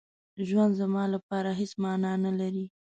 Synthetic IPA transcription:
ʒwand̪zamɑlapɑɾaɦesmɑnɑnalaɾi

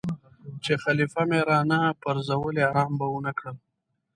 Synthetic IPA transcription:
t͡ʃexalifameɾɑːnapəɾzawəleaɾɑːmbaunakɽəl

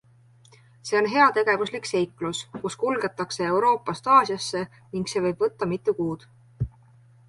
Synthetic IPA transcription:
se̞o̞nɦe̞ɑt̪e̞ɡ̥e̞vuslikse̞jkluskuskulɡ̥e̞t̪ːˑɑkse̞e̞wɾo̞ːpːˑɑst̪ɑːsjɑsːe̞ | niŋɡse̞vɤjb̥vɤt̪ːɑmit̪ˑːukuːd̪̥

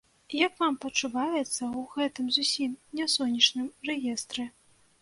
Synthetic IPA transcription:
jɐkvampɐt͡ʂuvajɛt̪sːɐwɣɛt̪ɨmzusʲimnʲasɔnʲːɐt͡ʂnɨmrɛjɛst̪ɾɨ

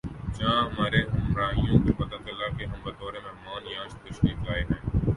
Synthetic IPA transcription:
t͡ʃãːɦəmaːɾeːɦəmɾaːɦijõːkoːpət̪aːt͡ʃəlaːkeɦəmbəd̪ɔːɾeːmə̃ɦmaːnjãːʃt̪əʃkiːklaːeːɦɛ̃ː

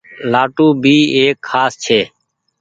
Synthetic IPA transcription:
laːʈũːbʱiːeːkʰːaːst͡ʃʰeː

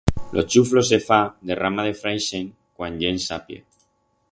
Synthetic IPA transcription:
lʔo̞̰t͡ʃuflo̞se̞fad̪e̞rʔamaðe̞fɾajʃeŋ | kwanʎensapjḛ

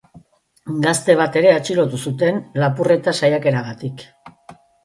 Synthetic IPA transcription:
ɡast̪e̞β̞at̪e̞ɾe̞at͡ʃiɾo̞t̪usut̪e̞nlapure̞t̪asajake̞ɾaɣat̪ik

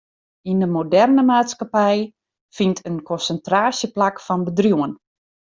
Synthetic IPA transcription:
indəmodɛrnəmaːtskapɛj | fintʰənkɔnsəntraːsjəplakfɔnbədrjuən

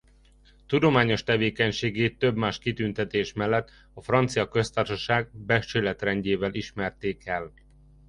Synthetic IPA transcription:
t̪ud̪o̞maːɲo̞ʃt̪ɛveːkɛɲʃeːɡeːt̪ːø̞bmaːʃkit̪ynt̪ɛt̪eːʃmɛlːɛt̪ː | ɒfrɒnt̪sijɒkø̞st̪arʃɒʃaːɡ̚bɛʃt͡ʃøːlɛt̪rɛɲɟeːvɛliʃmɛrt̪eːkɛl

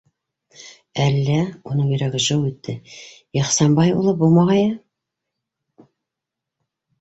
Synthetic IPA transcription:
ælːæunɤŋjɵ̆ɾæɡɘʒɤwit̪ʰːɘ | jɑχsɑmbɑjṵlˠɤbulˠmɑʁɑjɑ

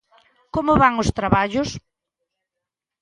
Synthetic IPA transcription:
komʊβaŋʊst̪ɾaβaʎʊs

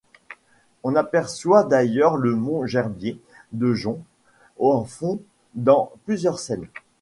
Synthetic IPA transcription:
ɔ̃napɛʁswad̪ajœʁləmɔ̃ʒɛʁbje | d̪əʒɔ̃ | ɑ̃fɔ̃ | d̪ɑ̃plyzjœʁsɛn

